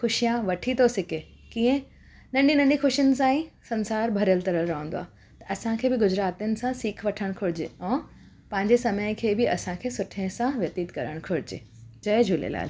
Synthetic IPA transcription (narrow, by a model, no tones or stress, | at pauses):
xʊʃijãʋɐʈʰit̪osɪkeː | kĩːə̃ | nɐ̃ɳɖinɐ̃ɳɖixʊʃijənɪ̆sãːĩsɐ̃nsaːɾbʱɐɾjəlt̪ɐɾəlɾɐɦə̃nd̪oa̰ː | t̪ɐ̥ʔɐsãkʰeːbɪɡʊd͡ʑɾaːt̪ijənɪ̆sãsiːkʰʋɐʈʰəɽ̃kʰʊɽɪd͡ʑḛːɛ̃ː | pɐ̃ɦɪ̃ɲd͡ʑesɐməɪ̃kʰeːbɪʔɐsãkʰeːsʊʈʰə̃sãʋjɐt̪iːt̪kɐɾəɽ̃kʰʊɽɪd͡ʑḛː | d͡ʑɐed͡ʑʱuːlḛla̰ːl